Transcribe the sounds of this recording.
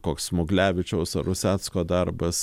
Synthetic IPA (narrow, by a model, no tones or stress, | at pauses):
koːksmʊɡlʲæːʋʲɪt͡ʃʲɛʊsɐɾʊsʲæːt̪skoːd̪ɐɾbɐs